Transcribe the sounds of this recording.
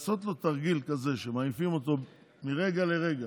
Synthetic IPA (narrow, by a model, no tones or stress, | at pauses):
so̞t̪lo̞t̪aʁɡilkaze̞ʃemajifimo̞t̪o̞ | miʁe̞ɡale̞ʁe̞ɡa